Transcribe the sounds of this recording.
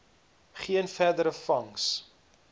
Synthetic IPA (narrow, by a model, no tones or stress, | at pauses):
χiənfærdəɾəfɐŋs